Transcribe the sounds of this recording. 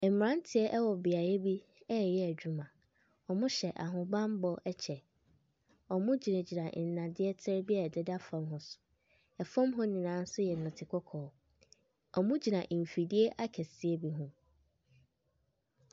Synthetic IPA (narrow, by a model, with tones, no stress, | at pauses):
ɛ˨mm˨ɾã˦n˦tʰɪ˨˦ɛ˦ʔɛ˦wɔ˨bɪ˨a˨e˦bi˦ | ɛ˦˨jɛ˦ɛ˨d͡ʑᶣu˦mã˨ | ɔ˨mʊ̃˦ɕɛ˨ʔa˨ɦʊ̃˨bã˦m˦bɔ˦ɛ˦t͡ɕʰɛ˨ | ɔ˨mʊ̃˦d͡ʑi˨nã˨d͡ʑi˨nã˨n̩˨nã˨dɪ˦ɛ˦tʰɪ˦ɾbi˦ɛ˨dɪ˦da˦fã˨˦mɦʊ̃˦sʊ̥˨ | ɛ˨fã˦mɦʊ̃˦nĩ˨nãː˨˦n̩˦sʊ˦jɛ˨nʊ̃˨tʰɪ˨kʰɔ˦kʰɔː˨ | ɔ˨mʊ̃˦d͡ʑi˨nã˨ʔ̩˨fi˨di˦e˦ʔa˦kʰɛ˨sɪ˦e˦bi˦ɦʊ̃˦